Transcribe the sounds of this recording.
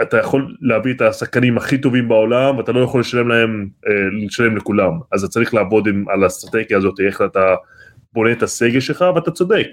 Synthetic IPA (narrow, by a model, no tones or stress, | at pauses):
at̪ajaχo̞lːeaviet̪asaχkanimaχit̪o̞vimbao̞lamveat̪alo̞jaχo̞lːe̞ʃale̞mlae̞mleʃale̞mlekulamaztat͡saʁiχlaːvo̞d̪ima̰last̪ʁat̪e̞ɡjaːzo̞t̪ieχat̪a | bo̞ne̞ːt̪ase̞ɡelʃelχaveat̪at͡sod̪e̞k